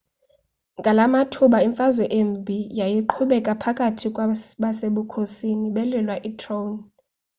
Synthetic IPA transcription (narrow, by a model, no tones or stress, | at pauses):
ŋɡʱʼalamatʰuɓaiɱfazwɛʔembʱijajiǃʰuɓɛkʼapʰakʼatʰikʼwɓaseɓukʰosiniɓɛlɛlwaʔitʰʼrown